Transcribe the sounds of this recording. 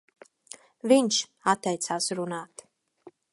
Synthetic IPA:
viɲt͡ʃat̪ːɛjt̪saːsɾunaːt̪

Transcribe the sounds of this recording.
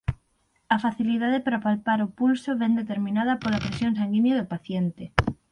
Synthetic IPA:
ɐfaθiliðaðepaɾapalpaɾopulsoβɛnd̪et̪eɾmĩnaðɐpolapɾesjõŋs̬aŋɡinjaðʊpaθjent̪e

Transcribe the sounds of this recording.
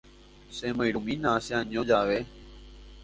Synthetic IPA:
sẽːməiɾumiːnaːsjãːɲõːd͡ʒaːʋeː

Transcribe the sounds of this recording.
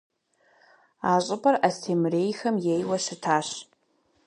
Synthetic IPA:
aɕʷʼʊpʼarastʰemrejxɐmjejwaʂɨtʰaːʃ

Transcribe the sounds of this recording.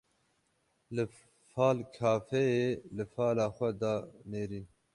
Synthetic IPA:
lɨ | faːlkʰaːfɛeːlɨfaːlaːxʷɛd̪ɑːneːɾiːn

